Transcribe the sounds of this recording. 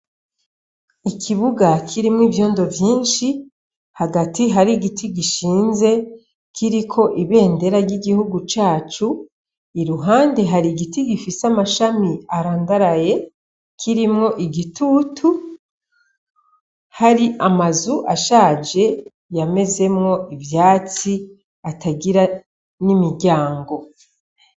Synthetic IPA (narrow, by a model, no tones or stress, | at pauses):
ikʰiβuɡakʰiɾimŋiːvjo̞ːndo̞vjiːnʃi | haɡatiɦaɾiɡitʰiɡiʃiːnze̞ | kʰiɾikʰo̞ʔiβe̞ːnde̞ɾaɾɟiɡihuɡut͡ʃaːt͡ʃu | iɾuɦaːnde̞ɦaɾiɡitiɡifisamaʃamiaɾaːŋɡaɾaje̞ | kʰiɾimŋo̞ʔiɡitutʰu | haɾiʔamazuʔaʃaːd͡ʒe̞ | jame̞ze̞mŋo̞ʔivjaːt͡si | ataɡiɾa | nimiɾɟaːŋɡo̞